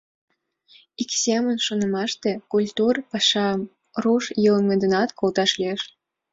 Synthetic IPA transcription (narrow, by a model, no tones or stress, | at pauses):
iksemənʃonə̆mɑʃt̪e̽kulʲt̪urpɑʃɑm | ruʃjələmed̪ənɑt̪kolt̪ɑʃlieʃ